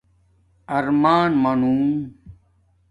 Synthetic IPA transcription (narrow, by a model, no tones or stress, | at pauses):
ɐɾmaːnmɐnũ